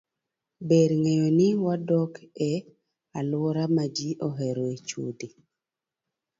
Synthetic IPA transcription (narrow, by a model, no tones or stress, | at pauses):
bedŋejonɪwadɔkʰɛ | alwɔɾamad͡ʒiʔoɦɛɾoet͡ʃṵdi